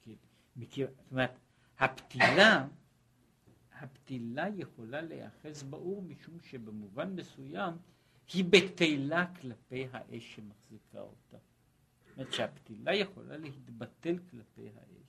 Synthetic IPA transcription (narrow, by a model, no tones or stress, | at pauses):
ke | meket̪omeʁet̪ | hapt̪ila | hapt̪ilajeχo̞lalḛa̰χe̞sbaʔuʁmiʃumʃe̞bemuvanme̞sujam | hibetejlaklape̞jɦa̰ʔe̞ʃːemaχzikʰa̰o̰ta | t̪omeet̪ʃeapt̪ilajeχo̞̰lʔa̰le̞hit̪bate̞lklape̞̰jɦa̰ʔḛʃ